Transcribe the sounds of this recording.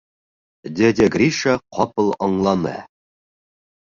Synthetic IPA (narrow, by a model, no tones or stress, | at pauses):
d̪ʲed̪ʲɘɡrʲiʃaqʰɒpɤlˠɒɴlˠɑnɤ̰